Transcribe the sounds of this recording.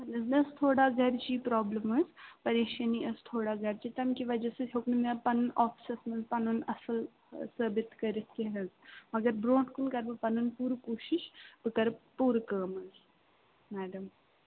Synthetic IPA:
ɐlɐznɐst̪ʰoːɽaɡʱɐɾt͡ʃiːpɾɔːbləmɨzpɐɾeːʃɐniʔɐst̪ʰoːɽaɡʱɐɾt͡ʃiːt̪ɐmkiʋɐd͡ʒɐseɦʰʲoknmepɐnunʔɔːfsɐsmɐzpɐnunɐsɨl | səːbɪt̪kɐɾit̪ʰkiɦɐzmɐɡɐɾbɾõːʈkunkɐɾbɨpɐnunpuːɾkuːʃɪʃbɨkɐɾbpuːɾkəːmɨz | mɛːɖɐm

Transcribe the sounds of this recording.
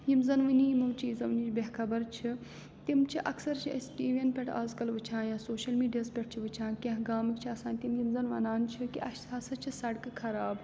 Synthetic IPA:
jimzɐnʋɨnijimɐʋt͡ʃʰiːzɐʋnit͡ʃbʲeɦkʰɐbɐɾt͡ʃʰi | t̪imt͡ʃʰiʔɐksɐɾt͡ʃʰiɐ̰sʈiːʋenpʲeʈʰa̰ːzkɐlʋɨt͡ʃʰãːjaːsoːʃɐlmiːɖijaspʲeʈ̚ʰt͡ʃʰiʋɨt͡ʃʰãːkʲɐ̃ɦɡaːmɨkt͡ʃʰiɐsãːnʲt̪imjimzɐnʋɐ̰naːnt͡ʃʰikiʔɐʃtʰaːsɐt͡ʃʰisɐɽkɨkʰɐɾaːb

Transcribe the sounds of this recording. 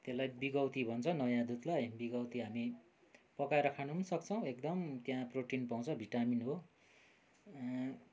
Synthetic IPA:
t̪elajbiɡʌwt̪ibʱʌnt͡sʰʌnʌjãd̪ut̪lajbiɡʌwt̪iɦami | pʌkaeɾʌkʰanuɦunʌsʌkt͡sʰʌw̃ekd̪ʌmt̪jãproʈinpaw̃t͡sʰʌbʱiʈaminɦo

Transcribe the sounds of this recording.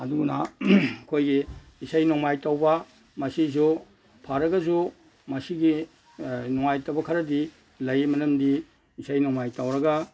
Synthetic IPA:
ɐduɡunakʰojɡi | isajnɔŋmajtawbɐ | mɐsizu | pʰaɾɐɡɐzu | mɐsiɡi | nɔŋajtawbɐkʰɐɾɐdi | lɐjmɐnɐmdi | isajnɔŋmajtawɾɐɡa

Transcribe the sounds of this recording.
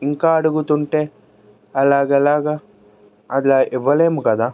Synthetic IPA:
iŋkaːɐɽuɡut̪uɳʈeː | ɐlaːɡɐlaːɡɐ | ɐd̪laʔɛʋːɐleːmukɐd̪aː

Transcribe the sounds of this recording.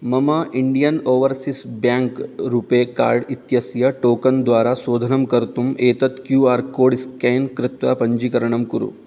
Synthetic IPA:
mɐmɐʔiɳɖijɐnoːʋɐɾsisbjaːŋkɾuːpeːka̰ːɾɖit̪jɐsjɐʈoːkɐnd̪ʋaːɾasoːd̪ʱɐnɐmkɐɾt̪umʔeːt̪ɐt̪kjuːaːɾkoːɖiskeːnkɾɪt̪ʋapɐɲd͡ʒikɐɾɐɳɐmkuɾṵ

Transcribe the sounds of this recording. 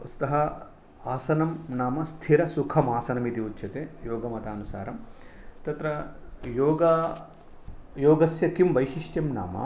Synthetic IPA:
st̪ɐɦɐ | aːsɐnɐmnaːmɐst̪ʰiɾɐsukʰɐmaːsɐnɐmit̪iutːʃʰɐt̪eːjoːɡɐmɐt̪aːnusa̰ːɾɐmt̪ɐt̪ɾɐjoːɡɐ | joːɡɐsjɐkimʋɐjʃiʂʈjɐmna̰ːmɐ̰

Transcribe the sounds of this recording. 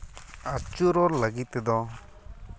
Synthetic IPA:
at͡ʃuɾɔɾlaɡit̪̚ːɛd̪ɔ

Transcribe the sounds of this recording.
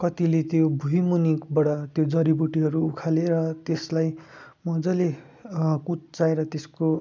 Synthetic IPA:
kʌt̪ilet̪jobʱujmunikbʌɽʌt̪jod͡zʌɾibuʈiɦʌɾuːkʰaleɾʌt̪eslaj | mʌd͡zʌle | kut͡st͡saeɾʌt̪esko

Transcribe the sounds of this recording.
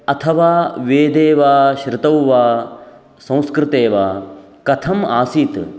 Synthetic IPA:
ɐt̪ʰɐʋaːʋeːd̪eːʋaːʃɾɪt̪ɐwʋaː | sɐ̃w̃skɾɪt̪eːʋaː | kɐt̪ʰɐmaːsiːt̪

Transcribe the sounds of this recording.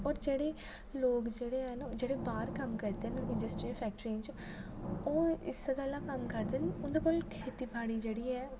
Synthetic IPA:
ɔːɾd͡ʒeːɽeː | loːkd͡ʒeːɽeːɦɛnd͡ʒeːɽeːbaːɾkəmkəɾd̪eːnɪnd͡ʒəsʈɾɪpʰɛːk̚ʈəɾɪ̃nt͡ʃ | oːɪ̰sɡəlːãːkəmkəɾd̪ɪnʊnd̪eːkoːlkʰeːt̪iːbʰʱaːɽiːd͡ʒeːɽiːɛː

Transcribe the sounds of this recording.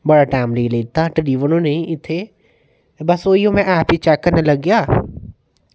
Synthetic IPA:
bɐɽaʈaːɪmleːleːt̪aʈəliːʋənõːnẽɪt̪ʰe | bɐsoːiõmɛ̃ʔaːpit͡ʃɛːkːəɾnɐlɐɡjaː

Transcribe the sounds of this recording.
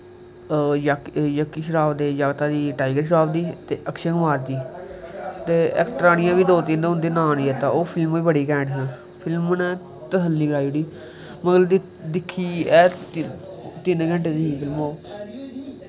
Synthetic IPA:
jakjəkːiːʃ̬əɾaːbd̪eːjaːɡt̪aːd̪iːʈaːɪɡəɾʃəɾaːbd̪iːt̪eːʔəkʃə̃ŋɡmaːɾd̪iː | t̪eːɛ̰ːkʈɾaːñɪjãːʋiːd̪oːt̪ĩnd̪ɦʊ̃nd̪eːnãːniːɛːt̪ãoːpʰɪlmoːiːbəɽiːkɛ̃ːɳɖɦɛ̃ː | pʰɪlmnɛ̃ː | t̪əsəlːiːɡəɾaːiuɽiː | məkləbd̪i | d̪ɪkʰːiːɛː | t̪ɪnɡəɳʈeːd̪iːĩːpʰɪlmoː

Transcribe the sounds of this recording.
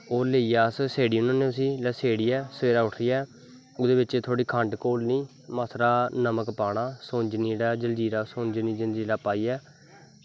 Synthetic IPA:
oːleːiːaːsseːɽiːʊnãːnẽːʊs̬iːlɛseːɽiːɛːsəʋeːɾaːʊʈʰɾiːɛː | ʊd̪eːbɪt͡ʃeːt̪ʰoːɽiːkʰəɳɖkoːlnĩː | maːsʰɾaːnəməkpaːɽaːsõːnd͡ʒniːɽaːd͡ʒəld͡ʒiːɾaːsõːnd͡ʒniːd͡ʒəld͡ʒiːɾaːpaːiːɛː

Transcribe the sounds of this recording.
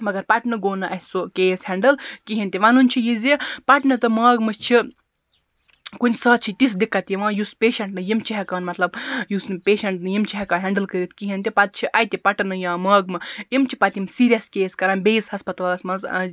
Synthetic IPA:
mɐɡɐɾpɐʈnɨɡoːnɨʔɐsokeːshʲɛɳɖɨlkiɦint̪iʋãːnunʲt͡ʃʰijizipɐʈnɨt̪ɨmɐːɡmɨt͡ʃʰi | kunʲsɐːt̪̚t͡ʃʰit̪isd̪ikːɐt̪jiʋãːjuspʲeːʃɐɳʈnɨjimt͡ʃʰiɦɐkaːnmɐt̪lɐbjuspeːʃɐɳʈnɨjimt͡ʃʰiɦɐkaːnɦʲɛɳɖɨlkɨɾit̪kiɦint̪ipɐt̪̚t͡ʃʰiʔɐjt̪ʲipɐʈnɨjãːmɐːɡ̚mɨjimt͡ʃʰipɐt̪ʲimsiːɾʲijɐskeːskɐɾɐnbeːzhɐspɐt̪aːlɐsmɐnz

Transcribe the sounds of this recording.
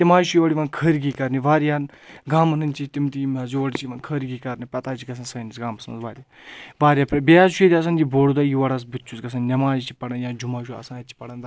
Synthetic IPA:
t̪imaːʃujoʋɐɽiʋɐnkʰəːɾiɡiːkɐɾniʋaːɾjaːn | ɡaːmɐnɨnʲt͡ʃit̪imt̪imɐzoːɐɽit͡ʃiʋɐnkʰəːɾɡiːkɐɾnipɐt̪aːt͡ʃʰiɡɐs̬ʰɐnsɐːnisɡaːmɐsmɐ̰nzʋaːɾʲja | ʋaːɾʲijaːpɾɐbiaːzʃuet̪ʲiɐs̬ɐnd͡ʒiboːɽud̪ajiʋɐɽaːs̬bɨtʲːt͡ʃʰusɡɐs̬ʰɐnnʲɐmaːjit͡ʃʰi̥pɐɽɐnjaːd͡ʒumaːʃuɐ̰sãːt̪ʲt͡ʃʰi̥pɐɽɐnd̪

